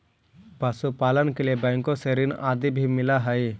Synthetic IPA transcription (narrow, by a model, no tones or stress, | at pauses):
pasupaːlənkeliebɛ̃ːŋkõseɾɪna̰ːd̪ibʱimɪlaɦəi